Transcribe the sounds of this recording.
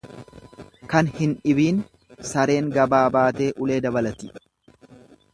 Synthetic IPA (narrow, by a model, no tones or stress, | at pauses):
kɐnhɪnᶑɪbiːn | sɐɾe̞ːŋɡɐbaːbaːt̪e̞ːʔʊle̞ːd̪ɐbɐlɐt̪ɪ